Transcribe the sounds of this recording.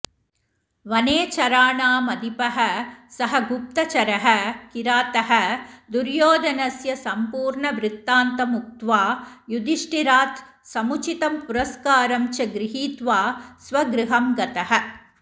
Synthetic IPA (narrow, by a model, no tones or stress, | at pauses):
ʋɐneːt͡ʃɐɾaːɳaːmɐd̪ipɐɦɐsɐɦɐɡup̚t̪ɐt͡ʃɐɾɐɦɐkiɾaːt̪ɐɦɐd̪uɾjoːd̪ɐnɐsjɐsɐmpuːɾɳɐʋɾɪt̪ːaːnt̪ɐmuk̚t̪ʋaːjud̪iʂʈiɾaːt̪ | sɐmut͡ʃit̪ɐmpuɾɐskaːɾɐmt͡ʃɐɡɾɪɦiːt̪ʋaːsʋɐɡɾɪɦɐmɡɐt̪ɐɦɐ̆